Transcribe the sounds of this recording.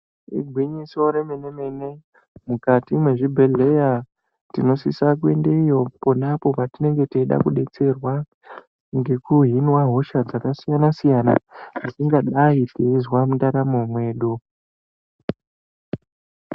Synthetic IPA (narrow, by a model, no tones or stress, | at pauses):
ḭɡʱwiɲiso̞ɾeme̞ne̞me̞ne | mukatimwe̞ʐibʱe̞ɮe̞ja | ttino̞sisak̬we̞nde̞ijo̞ponapo̞patine̞ŋɡe̞teiɗa̰kuɗe̞t͡se̞rwa | ŋɡe̞kuɦinwaɦo̞ʃad͡zakasijanasijana̰ʐisiŋɡaɗaipezwamuntaɾamomwe̞ːɗu